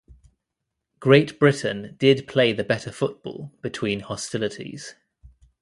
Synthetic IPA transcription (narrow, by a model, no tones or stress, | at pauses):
ɡ̥ɹeɪʔb̥ɹɪʔn̩d̥ɪdpʰl̥eɪðəbɛtʰəfʊʔ̚b̥ɔ̰ːlˠb̥ɪtʰw̥ĩːnhɒstɪlɪtʰḭz̥